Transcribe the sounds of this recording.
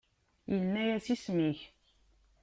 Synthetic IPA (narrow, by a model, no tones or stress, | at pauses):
jənːæjæsismiç